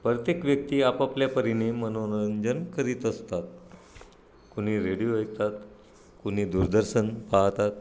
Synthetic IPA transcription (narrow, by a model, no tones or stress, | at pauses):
pɾət̪jekʋjək̚t̪iːapapljapəɾinemənoɾəɲd͡ʑənkəɾiːt̪əst̪at̪̚ | kuɽ̤̃iːɾeɽijojk̚t̪at̪ | kuñ̤iːd̪uɾd̪əɾsənpaɦt̪at̪̚